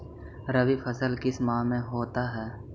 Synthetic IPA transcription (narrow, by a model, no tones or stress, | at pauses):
ɾəʋifʰəsəlkɪsmãːmẽɦoːt̪aɦɛː